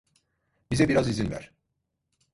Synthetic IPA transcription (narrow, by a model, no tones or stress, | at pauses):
bizɛbiɾazizinvæ̰ɾ̥